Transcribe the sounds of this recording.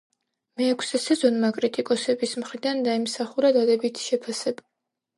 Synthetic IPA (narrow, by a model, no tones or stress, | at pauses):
mɛːkʷʰsɛsɛzɔnmakʼɾit̪ʼikʼɔsɛbismχɾid̪and̪aimsaχuɾad̪ad̪ɛbit̪ʰi̥ʃɛpʰasɛba